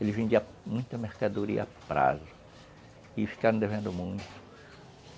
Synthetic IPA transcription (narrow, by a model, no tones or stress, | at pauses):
elɪvẽnd̪iɐ | mũj̃t̪ɐmeɾkad̪uɾḭɐapɾa̰zʊ | ɪfi̥kaɾɐ̃d̪evẽnd̪ʊmũj̃t̪ʊ̥